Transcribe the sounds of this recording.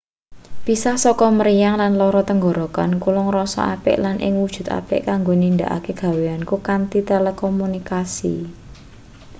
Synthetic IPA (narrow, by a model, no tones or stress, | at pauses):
b̥isahsɔkɔməɾijaŋlanlɔɾɔt̪əŋɡɔɾɔkankulʊŋrɔsɔ̰ʔa̰pɪ̰ʔlanʔɪ̰ŋwud̥ʒ̥ṳt̪a̰pɪ̰ʔkaŋɡonind̪a̰ʔa̰keɡ̥ä̤weankukant̪it̪elekɔmunikasḭ